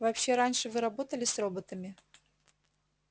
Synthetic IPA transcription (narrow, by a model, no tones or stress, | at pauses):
vɐpɕːeɾanʲʂɨvɨɾɐbo̞t̪əlʲɪsro̞bət̪əmʲɪ